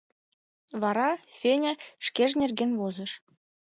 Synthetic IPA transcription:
βɑɾɑfʲenʲæʂkʲeʒnʲerɡʲenvozɤ̆ʃ

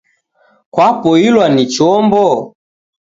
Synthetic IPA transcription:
kwapɔilwanit͡ʃɔmbɔ

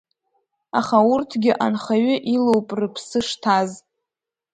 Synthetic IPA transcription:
a̰χaurtʰɡʲɪʔanχaɥʏʔilowpʼrɨpʰsɨʂtʰaz

